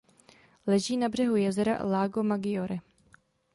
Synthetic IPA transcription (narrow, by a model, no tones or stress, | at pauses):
lɛʒiːnabr̝ɛɦujɛzɛɾa̰ʔlaːɡomaɡɪjoɾɪ